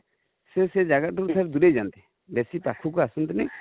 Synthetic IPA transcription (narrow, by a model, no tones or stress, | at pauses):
sɛsɛd͡ʒaɡat̪̚ʈukut̪ʰaɾɛd̪uɾejd͡ʒant̪ɛ | besipakʰuk̬ɔasunt̪ɛnɛ